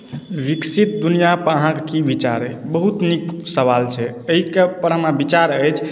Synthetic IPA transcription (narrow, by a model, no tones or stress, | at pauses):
ʋiksit̪̚d̪unijapəɾəɦãkekibit͡ʃa̰ɾəjbəɦut̪niksəβalt͡ʃʰɛəɦikepəɾɦəmabit͡ʃaɾəjt͡ʃʰ